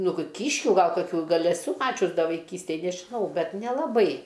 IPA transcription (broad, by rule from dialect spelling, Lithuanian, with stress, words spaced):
ˈnʊ ɡʲɪ ˈkʲiːʃʲkʲʊ ˈɡɐlˠ kɐˈkʲuː ˈɡɐlʲ ɛˈsʊ ˈmɑːt͡ʃʲʊs ˈdɐ ʋɐɪˈkʲiːsʲtʲeːj nʲɛʒʲɪˈnɐʊ ˈbʲɛt nʲɛlˠɐˈbɐɪ